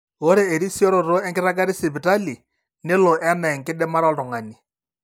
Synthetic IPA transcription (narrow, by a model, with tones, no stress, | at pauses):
ɣo˦ɾe˦e˨ɾi˦si˦ɔ˦ɾo˨ɾo˦ɛ˦ŋɡɪ˦ɾa˦k̬a˦ɾɪ˦sɪ˨bi˨ta˦li˨ | nɪ˦lɔ˨ʔɛ˦mɛ˨ŋ̩˨kɪ˦dɛ˦ma˦ɾɔ˦˨tɔ˨ŋa˨ni˨